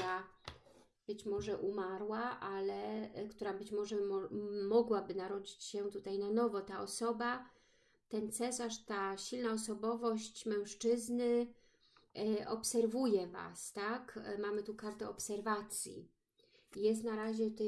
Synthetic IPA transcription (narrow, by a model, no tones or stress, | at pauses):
a | b̥ɘt͡ɕmɔʐɛʔumaɾwaʔalɛkt̪uɾabɘt͡ɕmɔʐɛmɔmɔɡwabɘnaɾɔd͡ʑit͡ɕɕɛt̪ut̪ajnanɔvɔt̪aɔsɔba | t̪ɛnt̪sɛsaʂt̪aɕilnaɔsɔbɔvɔɕt͡ɕmɛ̃w̃ʂt͡ʂɘznɘ | ɔpsɛɾvujɛva̰st̪akmamɘt̪ukaɾt̪ɛɔpsɛɾvat̪sʲjḭ | jɛst̪naɾaʑɛt̪ɛ